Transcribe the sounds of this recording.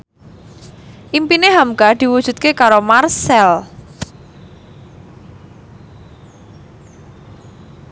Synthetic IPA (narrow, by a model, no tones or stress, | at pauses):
ʔimpineɦamkad̪̥i̤wud̥ʒ̥ṳt̪̚kekaɾomarsɛl